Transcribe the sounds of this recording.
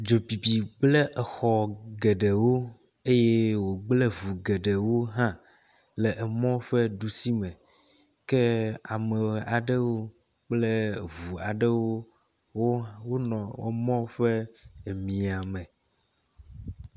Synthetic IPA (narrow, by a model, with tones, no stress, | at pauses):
d͡ʒo˨bi˨bi˨ɡ͡blɛ˦ʔɛ˨xɔ˨ɡɛ˨ɖe˨wo˦ | e˦je˦wo˨ɡ͡blɛ˦vu˨ɡe˨ɖə˨wo˦ɦã˦ | lɛ˨ʔɛ˨mɔ̃˦ɸɛ˦ɖu˦si˦mɛ̃˨ | kɛ˦a˨mɛ˨a˨ɖə˦wo˦ | k͡plɛ˦vu˨a˨ɖə˦wo˦ | wo˦wo˦nɔ̃˨ḛ˦mɔ̃˦ɸɛ˦˨mĩ˨a˨mɛ̃˨